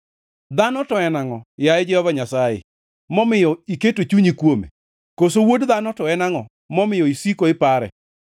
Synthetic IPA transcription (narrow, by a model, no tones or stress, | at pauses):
d̪anɔtɔɛnaŋɔjaɛd͡ʒɛhɔvaɲasajḛ | mɔmɪjɔiketot͡ʃuɲikwomḛ | kosowodd̪anɔtɔɛnaŋɔ | mɔmɪjɔisikoɪpaɾɛ̰